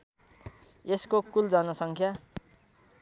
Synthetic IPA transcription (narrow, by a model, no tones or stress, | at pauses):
eskokuld͡zanʌsʌŋkʰja